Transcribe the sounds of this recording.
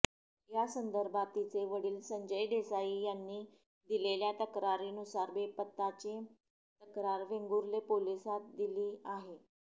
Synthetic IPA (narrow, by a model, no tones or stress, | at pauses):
jasənd̪əɾbat̪ːit͡seʋəɽiːlsəɲd͡ʑəjɖesaijanːiː | d̪ileljat̪əkɾaɾiːnusaɾbepət̪ːat͡ɕe | t̪əkɾaɾʋeŋɡuɾlepolisat̪̚d̪iliːaɦe